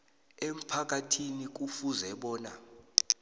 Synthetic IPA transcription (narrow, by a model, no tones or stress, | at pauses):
em̩pʰak̬atʰinik̬ufuzɛɓɔːna̰